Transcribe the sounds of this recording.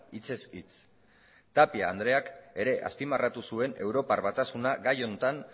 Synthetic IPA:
it͡se̞sit͡s | t̪apiaːnd̪ɾe̞ake̞ɾe̞ʔa̰spimarat̪usue̞ne̞wɾo̞paɾβat̪asunaɡajo̞nt̪an

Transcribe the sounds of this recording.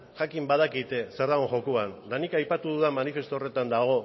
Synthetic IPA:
ʝakimbað̞akit̪e̞seɾðaɣoŋʝo̞koand̪anikajpat̪uðuðamanife̞st̪ore̞t̪and̪aɣ̞o̞

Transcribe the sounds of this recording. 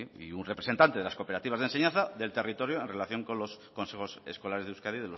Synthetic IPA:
ḭunrepɾe̞se̞nt̪ant̪eelasko̞peɾat̪iβazðense̞ɲãnθaðe̞lt̪e̞rit̪o̞ɾjoenre̞laθjo̞ŋko̞nlo̞sko̞nsexo̞se̞̰sko̞laɾezðewskaðiðelo

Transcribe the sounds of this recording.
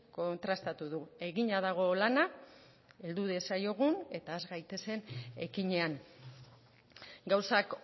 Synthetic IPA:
ko̞nt̪ɾast̪at̪uðue̞ɣiɲaðaɣ̞o̞lana | e̞ld̪uðesajo̞ɣ̞une̞t̪aezɣajt̪e̞se̞ne̞kiɲe̞an | ɡawsak

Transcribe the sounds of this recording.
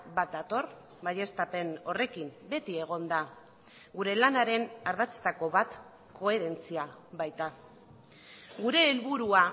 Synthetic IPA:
bat̪̚d̪at̪o̞r | βaje̞st̪ape̞no̞re̞kimbe̞t̪ie̞ɣ̞o̞nd̪a | ɡuɾe̞lanaɾe̞naɾð̞at͡se̥t̪ako̞βat̪ | kʰo̞e̞ɾe̞nt͡siaβajt̪a | ɡuɾe̞ːlβuɾua

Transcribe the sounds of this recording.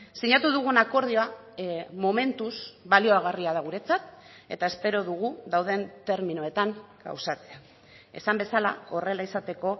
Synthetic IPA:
siɲat̪uðuɣ̞unako̞ɾðioa | mo̞me̞nt̪usβalio̞aɣ̞ariað̞aɣ̞uɾe̞t͡sat̪ | e̞̰t̪ae̞spe̞ɾo̞ðuɣ̞uðawðe̞nt̪e̞ɾminoe̞t̪aŋɡa̰wsat͡sea | e̞̰sambe̞sala̰o̞re̞laisat̪e̞ko̞

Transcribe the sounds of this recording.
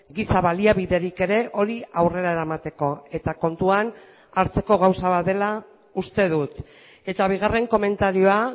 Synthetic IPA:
ɡisaβaliaβiðe̞ɾike̞ɾe̞ʔo̞ɾiawre̞ɾae̞ɾamat̪e̞ko̞e̞t̪ako̞nt̪uan | aɾt͡se̞ko̞ɣ̞awsaβaðe̞la | ust̪e̞ðut̪ | e̞t̪aβ̞iɣ̞are̞ŋko̞me̞nt̪aɾio̞a

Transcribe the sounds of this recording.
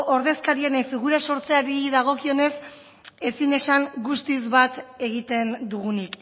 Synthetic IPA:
ʔo̞ɾðe̞skaɾienefiɣuɾaso̞ɾt͡se̞aɾiðaɣ̞o̞kio̞ne̞s | e̞sine̞saŋɡust̪izβat̪e̞ɣit̪e̞nd̪uɣunik

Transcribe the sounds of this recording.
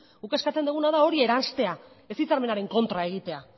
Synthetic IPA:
ukeskat͡se̞nd̪uɣunaðao̞ɾie̞ɾanst̪e̞a | e̞sit͡saɾme̞naɾe̞ŋko̞nt̪ɾae̞ɣ̞it̪e̞a

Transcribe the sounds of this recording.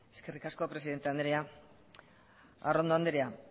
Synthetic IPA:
eske̞rikasko̞pɾe̞siðe̞nt̪eand̪eɾia | a̰rond̪oand̪eɾia

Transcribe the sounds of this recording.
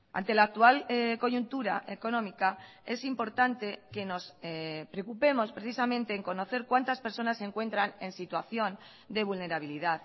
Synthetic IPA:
a̰nt̪e̞laːk̚t̪ualko̞ʝunt̪uɾaʔeko̞nõ̞mika | e̞simpo̞ɾt̪ant̪e̞ke̞no̞spɾeokupe̞mo̞spɾe̞θisamẽ̞nt̪e̞ːŋko̞no̞θe̞ɾkwant̪aspeɾso̞nasːe̞ŋkwe̞nt̪ɾane̞nsit̪waθjo̞n | d̪eβulne̞ɾaβ̞iliðað

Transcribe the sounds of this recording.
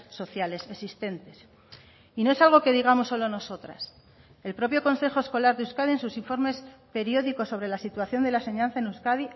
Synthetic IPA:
so̞θjale̞sesist̪e̞nt̪e̞s | inoe̞salɣ̞o̞ke̞ð̞iɣ̞amosːo̞lono̞so̞t̪ɾa̰s | e̞lpɾo̞pjo̞ko̞nse̞xo̞esko̞laɾðeuskaðie̞nsusiɱfo̞ɾme̞spe̞ɾjo̞ðiko̞sːoβɾe̞lasit̪waθjo̞nd̪e̞lase̞ɲãn̟θaenuskaði

